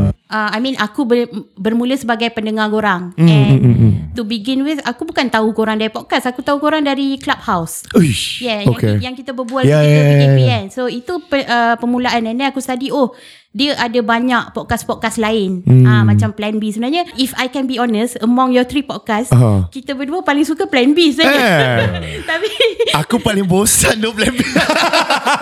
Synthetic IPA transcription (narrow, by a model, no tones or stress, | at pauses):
ʔəajmĩnʔakubəbərmũləsəbaɡajpəndəŋãɡoɾaŋɛ̃nt̪ubiɡɪnwɪθakubukant̪aukoɾaŋdaɾipɔt̚kasakut̪aukoɾaŋdaɾiklab̚hawsujɛoakejaŋkit̪abəbualjaəiiɛnsoit̪upəʔəpəmulaanɛndɛakust̪adioh | diəʔadabaɲaʔpɔʔ̚kaspɔʔ̚kaslaɪn̩amãt͡ʃamplɛnbisəbənarɲaʔifajkɛnbiɔnəsəmɔ̃ŋjɔt̪ɾipɔd̚kaskit̪əbəduəpalɪŋsukəplɛnbisa | t̪apiakupalɪŋbosandoplɛnbi